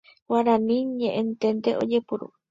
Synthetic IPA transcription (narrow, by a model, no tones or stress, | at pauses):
waɾanĩɲẽʔẽnt̪ent̪eʔo̰d͡ʒepuɾṵ